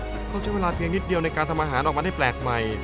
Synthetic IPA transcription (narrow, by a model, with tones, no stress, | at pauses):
kʰa˥˩t͡ɕʰa˥˩jweː˧laː˧pʰi˧əŋni˦˥t̪̚di˧əwna˧jkaː˧nt̪ʰa˧mʔaː˧ɦaː˩˦nʔɔː˨˩ma˧a˥˩jplɛː˨˩k̚ma˨˩j